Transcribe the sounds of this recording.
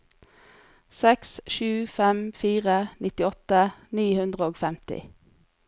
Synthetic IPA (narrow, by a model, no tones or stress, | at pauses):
sɛksʃʉːfɛmfiːʁənʔɪt̪ɪɔt̪əniːhʉnd̪ʁəoːɡfɛmt̪ɪ̰